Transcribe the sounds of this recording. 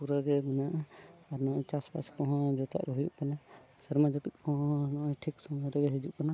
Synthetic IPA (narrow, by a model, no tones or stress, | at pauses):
puɾaɡɛmɛnaʔaɾnɔʔt͡ʃaspa̰skɔɦɔ̃d͡ʒɔt̪a̰ʔɡɛɦujṵʔkana | səɾmad͡ʒɔkit̪̚ˀkʰɔ̃ɦɔ̃nɔʔɔʈʰiksɔmd̪ɔɾɛɡɛɦid͡ʒuʔkana